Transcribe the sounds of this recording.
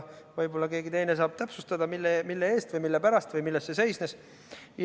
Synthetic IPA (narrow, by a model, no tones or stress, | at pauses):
vɤjbo̞lːɑkeːɡit̪e̞jne̞sɑːb̥̚t̪æpsust̪ɑd̪̥ɑmilːemilːee̞ːst̪vɯjmilːepæɾɑst̪vɯjmilːe̞st̪se̞se̞jsne̞s | j